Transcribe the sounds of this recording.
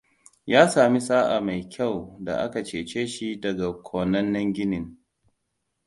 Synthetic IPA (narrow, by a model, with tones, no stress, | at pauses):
jaː˦saː˨mi˦sʼaː˦ʔa˨ma˨jkʲʰa˦˨wda̰˨ʔa̰˦ka˨t͡ʃeː˨t͡ʃeː˦ʃi˦dɐ˨ɡa˨kʷʰoː˨nɐ˦nːɐ˦ŋɡʲɪ˦nɪ˨ŋ